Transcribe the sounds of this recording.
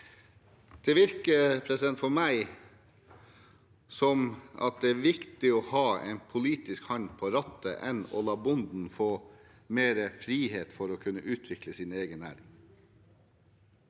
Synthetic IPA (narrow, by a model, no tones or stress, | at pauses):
d̪̥ɛʋɪɾkəpʰɾɛsɪd̪ɛnt̪fɔmæɪ | sɔmɑ̰t̪̚d̪ɛæːʋɪkt̪ɪoːhɑːḛɪnpʰʊliːt̪ɪskhɑnpʰoːɾɑt̪ːəʔɛnɔ̰lɑːbʊnd̪n̩foː | meːɾəfɾiːheːt̪fɔɾɔkʰʉnːəʔʉːt̪ʰʋɪkləsiːneːɡənæ̰ːɾɪŋ